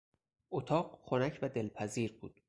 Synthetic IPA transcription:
ʔot̪ʰɒːɢxonæcʰvæd̪e̞lpʰæziːɾbuːd̪̥

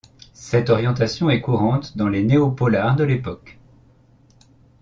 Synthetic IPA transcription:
sɛt̪ɔʁjɑ̃t̪asjɔ̃ɛkuʁɑ̃t̪d̪ɑ̃leneopɔlaʁd̪əlepɔk

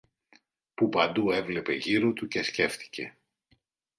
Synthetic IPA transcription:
pupɐnd̪ue̞vle̞pe̞ʝiɾo̞t̪uce̞sce̞fθi̥ce̞

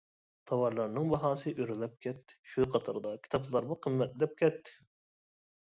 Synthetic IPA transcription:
t̪ʰɑwɑɾlˠɑɾnɨŋbɑɦɑːsɨʔyɾlɛp̚kʲʰɛt̪ːɪ̥ʃujqʰɑt̪ʰɑɾd̪ɑkʲʰi̥t̪ʰɑplˠlˠɑɾbʊqʰəmːɛt̪llɛp̚kʲʰɛt̪ʰːɪ̥

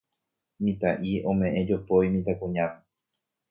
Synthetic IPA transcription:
mĩt̪aʔiõ̞mẽʔẽd͡ʒopojmĩt̪akũɲãme

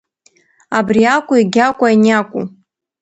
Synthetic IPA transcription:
abriakʷʼʊiɡʲakʷʼainakʷʼu

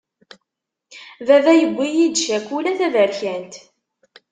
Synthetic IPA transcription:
vævæjəɡʷːijid̪ʃækːulæθævəɾçænt̪

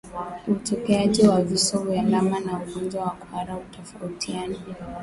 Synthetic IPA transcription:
utɔkɛaʄiwavisɔvjalamanauɠɔnd͡ʒwawakuaɾautɔfautʰiani

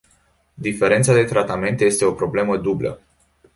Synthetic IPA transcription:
d̪ife̞ɾe̞nt̪sad̪e̞t̪ɾat̪ame̞nt̪je̞st̪e̞o̞pɾo̞ble̞məd̪ublə̰

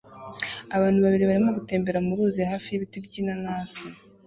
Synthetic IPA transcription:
aβaːn̥huβaβiɾiβaɾimo̞ɡute̞ːmbe̞ɾamuɾuːzehaːfijiβitibɟiːnanaːsi

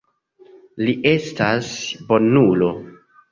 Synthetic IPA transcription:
liʔe̞stasbo̞nulo̞

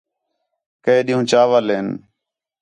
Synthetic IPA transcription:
kəeːɗiːũːt͡ʃaːʋaːleːn

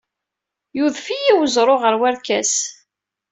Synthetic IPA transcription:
juðfijiwəzˤɾˤoʁəɾwæɾkæs

